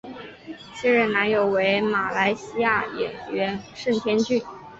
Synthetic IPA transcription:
ɕɛ˥ɻə˥˩nna˧˥njo˨˩ʊwe˧˥ɪma˨˩la˧˥ɪɕi˥ja˥˩jɛ̰˨˩nɥɛ˧˥nʂə˥˩nt̪ʰjɛ˥nt͡ɕy˥˩n

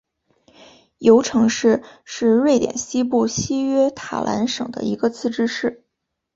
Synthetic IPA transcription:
jo˧˥ʊʈ͡ʂʰɤ˧˥ŋʂɻ̩˥˧ʂɻ̩˥˧ɻwe˥˩ɪt̪jɛ̰˨˩nɕi˥p̬u˥˩ɕi˥ɥɛ˥t̪ʰa̰˨˩lʔa̰˧˥nʂɤ˨˩ŋd̪ə̰˦i˧˥ɡə˧t͡sʰɹ̩˥˩ʈ͡ʂɻ̩˥ʂɻ̩˥˩

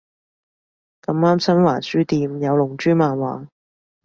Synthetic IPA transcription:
kɐ˨˥maː˥msɐ˥nwaː˨˩nsyː˥t̪iː˧mjɐ˨˧wlʊ˨˩ŋt͡ʃyː˥maː˨nwaː˨˧˦

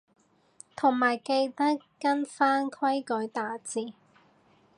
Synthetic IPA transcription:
t̪ʰʊ˨˩ŋmaː˨˩jke˧jt̪ɐ˥kːɐ˥nfaː˥nkʰwɐ˥jkɵ˨˥jt̪aː˨˧t͡siː˨˧

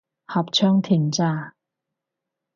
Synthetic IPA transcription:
hɐ˨˩p̚t͡ʃʰœː˥ŋt̪ʰiː˨˩nt͡saː˥˩

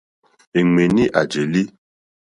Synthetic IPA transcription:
e˨ŋe˨ni˦ʔa̰˨d͡ʒe˨li˦

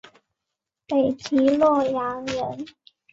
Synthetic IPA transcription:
pe˨˩ɪt͡ɕʰi˧˥lɔ˥˩ja˧˥ŋɻə˧˥n

